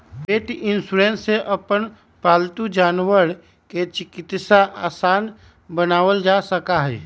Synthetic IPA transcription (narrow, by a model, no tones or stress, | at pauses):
peːʈɪnsuɾẽːnːeʔɐpən | paːlt̪ud͡ʒaːnwəɾ | ket͡ʃɪkɪt̪saʔaːsaːn | bənaːʋəld͡ʒaːsəkaɦɛː